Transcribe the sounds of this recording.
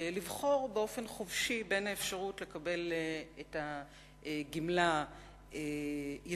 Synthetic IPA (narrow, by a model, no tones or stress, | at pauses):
livχo̞ʁbeo̞fe̞nχovʃibe̞naefʃaʁutle̞kabe̞leta | ɡimla | ej